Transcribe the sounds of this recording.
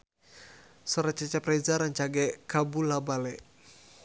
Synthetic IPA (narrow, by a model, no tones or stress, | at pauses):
sɔɾat͡ʃat͡ʃɛprɛzaɾaɲt͡ʃaɡɛkabulabalɛ